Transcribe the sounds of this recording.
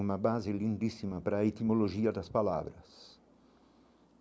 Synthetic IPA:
umɐbazɪlĩnd̪isimɐpɾaet̪imoloʒiɐd̪ɐspala̰vɾɐs

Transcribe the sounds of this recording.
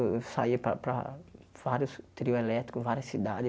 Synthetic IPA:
saipɾɐ̰pɾɐ̰v̥aɾjʊst̪ɾiʊelɛt̪ɾikʊvaɾiɐsːid̪ad͡ʒɪ

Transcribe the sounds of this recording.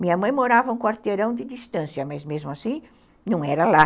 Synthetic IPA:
mĩɲɐmɐ̃j̃moɾavɐũkwaɾt̪eɾɐ̃w̃d̪ɪd̪ist̪ɐ̃sjɐmɐzmezmʊasĩ | nɐ̃ɛɾɐla

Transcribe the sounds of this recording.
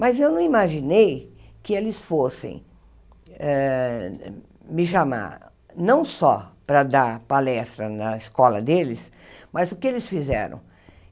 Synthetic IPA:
mɐzewnɐ̃w̃imaʒinejkɪelɪsfosḛ̃j̃ | ɛ | mɪʃama̰ɾ | nɐ̃w̃sɔ̰pɾɐd̪apalɛst̪ɾɐnɐɪskɔlɐ̰d̪elɪs | mɐzʊkɪelɪsfizɛ̰ɾɐ̰̃w̃

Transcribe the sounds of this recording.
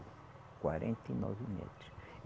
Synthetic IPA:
kwaɾẽnt̪ɐinɔvimɛ̰t̪ɾu̥ʃ

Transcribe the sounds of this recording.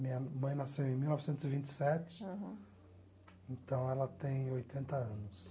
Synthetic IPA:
mĩɲɐmɐ̃j̃nasewẽj̃miwnɔvɪsẽnt̪ʊzɪvĩnt͡ʃɪ̥sɛt͡ʃɪ̥ | ẽt̪ɐ̃w̃ɛlɐt̪ẽj̃ojt̪ʰẽnt̪ɐɐ̃nʊs

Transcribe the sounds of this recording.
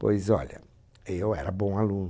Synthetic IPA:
po̰jzɔ̰ʎɐ̰ | ewɛɾɐbõw̃alũn

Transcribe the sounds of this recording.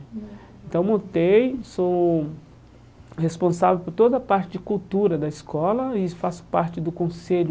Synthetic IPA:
ẽnt̪ɐ̃w̃mõt̪ejso | hespõsavewpoɾt̪od̪ɐpaɾt͡ʃɪd͡ʒɪkuwt̪uɾɐd̪ɐiskɔlɐɪfasʊ̥paɾt͡ʃɪd̪ʊkõseʎʊ

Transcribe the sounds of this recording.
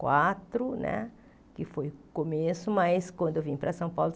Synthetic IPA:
kwat̪ɾʊnɛ̰ | kɪfojkomesʊmajskwɐ̃nd̪ʊewvĩpɾɐsɐ̃w̃pawlʊ

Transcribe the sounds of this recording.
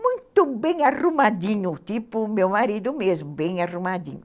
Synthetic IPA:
mũj̃t̪ʊbẽj̃arumad̪ĩɲʊt̪ipʊmewmaɾid̪ʊmezmʊbẽj̃arumad̪ḭ̃ɲʊ

